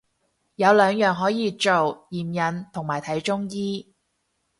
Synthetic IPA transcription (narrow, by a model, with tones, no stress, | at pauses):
jɐ˨˧wlœː˨˧ŋjœː˨˩ŋɦɔː˨˥jiː˨˧t͡ʃo˨wjiː˨˩mjɐ˨˧nt̪ʰʊ˨˩ŋmaː˨˩jt̪ʰɐ˨˥jt͡ʃʊ˥ŋjiː˥